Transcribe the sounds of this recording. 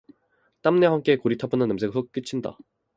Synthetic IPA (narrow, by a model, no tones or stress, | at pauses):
t͈amne̞ɦamk͈ekoɾitʰapʰɯnɯnːɯms̬ʰeɡɯsʰok͈ɯt͡ɕʰinda̰